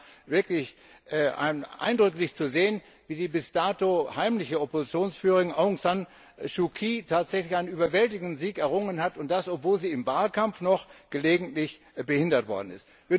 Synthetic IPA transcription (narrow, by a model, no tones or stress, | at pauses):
vɪɐklɪç | ʔʔa̰ɪnʔa̰ɪndʁʏklɪçt͡suzeːən | viːdiːbɪstaːtohaɪmlɪçəɔpozit͡sjoːnsfyːʁɪŋʔaʊŋsan | ʃukʰiːtʰaːtz̥ɛçlɪçaɪnənyːbɐvɛltɪɡŋ̩dn̩ziːkɛɐʁʊŋənhatʊnt̚d̥asɔpv̥oːlziːɪmvaːlkamfnɔχɡ̥əleːɡŋ̩tlɪç | bəhɪndɐtv̥ɔ̰ɐdn̩ɪ̰st | viːɐ